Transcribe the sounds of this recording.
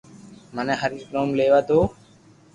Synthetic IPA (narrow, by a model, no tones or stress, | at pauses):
mənẽːɦəɾɪːknoːmleːʋaːt̪oː